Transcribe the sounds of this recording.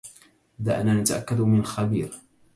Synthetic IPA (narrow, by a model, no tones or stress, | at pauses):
d̪a̰ʔnaːnat̪aʔakːad̪mɪnxabḭːɾ